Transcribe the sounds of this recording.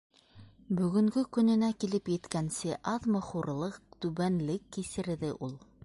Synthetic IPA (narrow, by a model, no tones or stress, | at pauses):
bɵ̆ɡɵ̆ŋɡɵkɵ̆nɘ̆nækilɘpjɘ̆t̪kænsɘʔɑðmɤχuɾlˠɤqt̪ʉβænlɘkːisɘ̆ɾðɘʔulˠ